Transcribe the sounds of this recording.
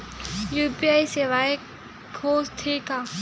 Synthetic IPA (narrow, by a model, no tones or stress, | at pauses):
juːpiaːiseʋaːe | kʰoːst̪ʰeːkaː